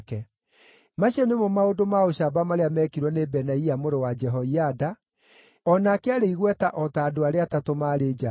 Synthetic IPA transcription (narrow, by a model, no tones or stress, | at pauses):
kɛ | maɕɛnemɔmaodomaoɕabamaɾeamɛkiɾwɔnebɛnaiamoɾowad͡ʒɛɦɔiada | ɔnakeaɾeiɣwɛtaʔɔtaːdoaɾeatatomaːɾeːd͡ʒa